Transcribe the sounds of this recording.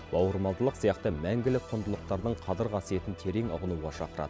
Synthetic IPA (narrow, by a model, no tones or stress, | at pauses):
bɑwəɾmɑlˠd̪əlˠəqsijɑqt̪əmæŋɡʲɪlɪqʰond̪əlˠəq̚t̪ɑɾd̪əɴqʰɑd̪əɾʁʰɑsije̞t̪ɪnt̪ʰe̞ɾe̞ŋʊ̰ʁənuwʁɑʃɑqəɾɑ̰d̪ə